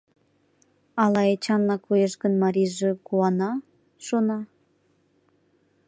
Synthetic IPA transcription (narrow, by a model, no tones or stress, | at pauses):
ɑlˠɑet͡ɕɑnːɑkujeʃkə̆nmɑɾʲiʒĕkuɑnɑ | ʃonɑ